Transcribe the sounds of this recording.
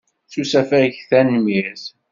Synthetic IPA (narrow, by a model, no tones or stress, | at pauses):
θusæfæçθænmiɾθ